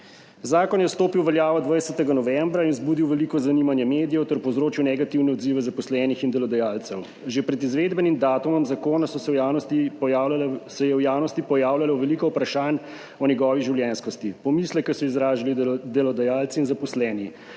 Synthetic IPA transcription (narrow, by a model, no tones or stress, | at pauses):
zaːkɔnjɛst̪oːpiwʋɛljaːʋɔd̪ʋajsɛt̪ɛɡanɔʋɛmbɾainzbuːd̪iwʋɛlikɔzaniːmanjɛmeːd̪ijɛwt̪ɛɾpɔwzɾoːt͡ʃiwnɛɡat̪iwnɛɔd̪ziʋɛzapɔslɛːnixind̪ɛlɔd̪ɛjaːlt̪sɛw | ʒepɾɛd̪izʋeːd̪bɛnimd̪aːt̪umɔmzakoːnasɔsɛan | sɛjɛwjaːwnɔst̪ipɔjaːwlalɛwʋɛlikɔwpɾaʃan | ɔnjɛɡɔːʋiʒiwljɛnskɔst̪ipɔmiːslɛkːɛsɔizɾaːʒalid̪ɛlɔd̪ɛjaːlt̪siːnzapɔslɛːni